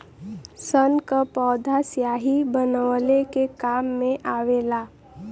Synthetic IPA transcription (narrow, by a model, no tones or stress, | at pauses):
sənkapɔːd̪ʱasjaɦibənəʋəlekekaːmːẽʔaʋela